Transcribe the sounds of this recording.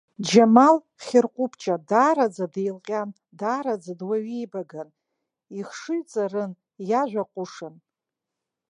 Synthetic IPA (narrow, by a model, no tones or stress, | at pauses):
d͡ʒamal | χʲɪrqʷʼʊpʰt͡ʃʼadaːɾad͡zadejlqʲʼan | daːɾad͡zadwaɥejbaɡan | iχʂɨɥt͡sʼarɨn | jaʒᶣʷaqʷʼʊʂɨn